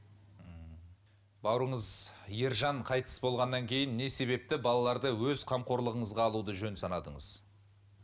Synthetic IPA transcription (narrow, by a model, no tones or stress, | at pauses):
bɑwɾəɴəzje̞ɾʒɑɴqʰɑjt̪ə̥sbo̞lˠʁɑnːɑŋkʲʰe̞jɪnːe̞se̞βe̞p̚t̪ɪbɑlˠɑlˠɑɾd̪əwɵzqʰɑmqo̞ɾlˠəʁəɴəzʁɑːlˠud̪əʒɵnsɑnɑd̪əɴəz̥